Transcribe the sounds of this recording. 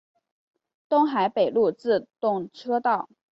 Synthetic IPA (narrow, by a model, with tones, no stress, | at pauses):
t̪ʊ˥ŋxa˧˥ɪpe˨˩ɪlu˥˧t͡sɹ̩˥˧t̪ʊ˥˧ŋʈ͡ʂʰɤ˥t̪ɑ˥˩ʊ